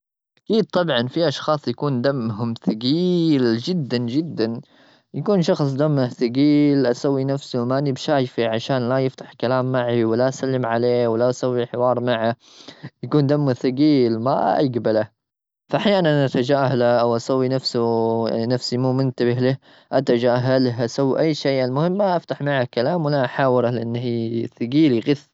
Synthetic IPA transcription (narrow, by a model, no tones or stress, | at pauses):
ʔakiːd̪̚t̪ˤɑbʕɑnfiʔɑʃxɑːsˤjakuːnd̪amɦʊmθaɡiːld͡ʒɪd̪ːand͡ʒɪd̪ːan | jakuːnʃɑxsˤd̪amːaθaɡiːlʔasawːinafsumaʔnɪbʃaːjfiʕaʃaːnlajɪft̪ḁħkalaːmːaʕiwɪlaʔasalːɪmʕaleːwɪlaʔasawːiħɪwɑːɾˤmaʕa | jakuːnd̪amːaθʊɡiːlma̰ʔaɡbala | faʔaħjaːnanʔat̪ad͡ʒaːhalaʔawʔasawːinafsʊ̰nafsimuːmʊnt̪abɪhlɪ | ʔat̪ad͡ʒaːɦalɦʔasawːiʔajːʃeːʔɪlmʊhɪmːaʔaft̪aħmaʕakalaːmwɪlaʔaħaːwɪɾalɪʔanːhiːθɪɡiːliɣɪθ